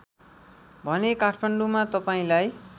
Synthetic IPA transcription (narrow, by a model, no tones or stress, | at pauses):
bʱʌnekaʈʰmaɳɖumat̪ʌpaĩlaj